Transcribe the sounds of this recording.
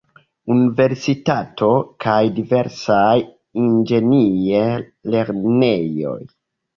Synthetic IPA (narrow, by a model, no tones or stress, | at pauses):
unive̞ɾsitatʰo̞kʰajdive̞ɾsaj | ind͡ʒe̞nie | le̞ɾne̞jo̞̰j